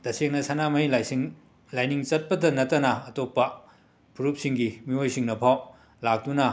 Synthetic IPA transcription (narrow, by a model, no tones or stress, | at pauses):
d̥ɐseŋnɐsɐnamɐɦilsiŋ | lajniŋt͡ʃɐt̚pɐdɐnɐtːɐnɐːtopːɐ | pʰuɾup̚siŋɡimiojsiŋnɐpʰaw | lak̚dunɐ